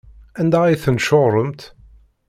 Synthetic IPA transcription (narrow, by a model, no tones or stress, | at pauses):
ænd̪æijθənʃoʁɾˤəmt̪